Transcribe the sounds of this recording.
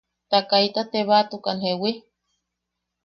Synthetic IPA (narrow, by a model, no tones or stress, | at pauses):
t̪akait̪at̪eβat̪ukanhewi